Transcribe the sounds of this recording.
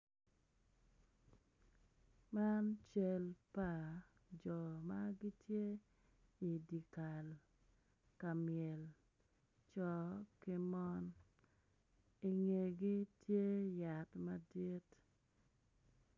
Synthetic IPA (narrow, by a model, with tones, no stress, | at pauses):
ma˦nt͡ʃe˨lpa˨ | d͡ʒɔ˨ma˦ɡi˦tje˦ | i˨di˨ka˨l | ka˨mjɛ˨l | t͡ʃɔ˨ki˦mɔ˦n | i˨ŋe˨ɡi˦tje˦ja˨tma˦di˦t